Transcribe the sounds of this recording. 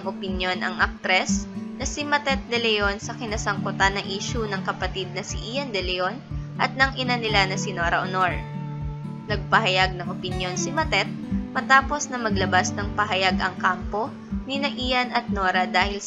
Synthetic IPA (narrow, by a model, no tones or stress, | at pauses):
ŋʔopɪnjo̞nʔɐŋʔɐk̚t̪ɾɛsnɐsɪmɐt̪ɛt̪̚d̪ɛlɛjonsɐkɪnɐsɐŋkʊt̪anɐʔiːʃunɐŋkɐpɐt̪id̪̚nɐsḭʔijɐnd̪ɛlɛo̞nʔɐt̪̚nɐŋʔɪnanɪlanɐsɪnoːɾɐʔonoɹ | nɐɡ̚pɐɦɐjaɡ̚nɐŋʔopɪnjo̞nsɪmɐt̪ɛt̪̚mɐt̪aːpo̞snɐmɐɡlɐbasnɐŋpɐɦɐjaɡʔɐŋkampo̞ | nɪnɐʔijɐnʔɐt̪̚noːɾɐd̪aːhɪl